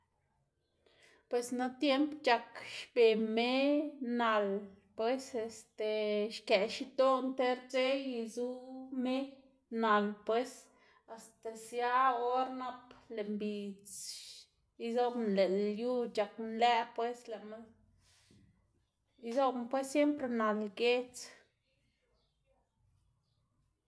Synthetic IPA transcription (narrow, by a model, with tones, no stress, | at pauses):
pwe˧sna˦t̪je˦mpt͡ʃa˨kʃbe˨me˦na˨lpwe˦se˧st̪e˨ʃke˨ʃi˦t̪o˦nt̪e˦ɾt͡se˦ji˧zu˦me˦ | na˨lpwe˦s | a˨st̪a˨sja˦o˦ɾna˦ple˨mbi˨t͡s | i˦zo˦ble˨lju˦t͡ʃa˨knlæ˦pwe˦sle˨ma˦ | i˦zo˦bmpwe˦ssje˦mpɾe˧na˨lɡe˦t͡s